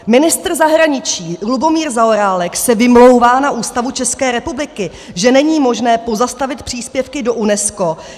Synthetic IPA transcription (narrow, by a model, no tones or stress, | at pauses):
mɪnɪst̪r̩zaɦɾaɲɪt͡ʃiːlubo̞miːɾzaoɾaːlɛksɛvɪmlo̞wvaːnaʔuːst̪avut͡ʃɛskɛːɾɛpublɪkɪ | ʒɛnɛɲiːmo̞ʒnɛːpo̞zast̪avɪt̪̚pr̥iːspjɛfkɪdo̞ʔunɛsko̞